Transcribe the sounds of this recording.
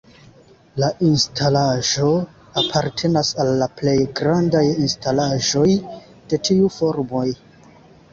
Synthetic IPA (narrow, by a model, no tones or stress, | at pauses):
laʔinstʰalaʒo̞ | apʰaɾtʰe̞nasalːaple̞jɡɾandajinstalaʒo̞j | d̥e̞tʰiufo̞ɾmo̞j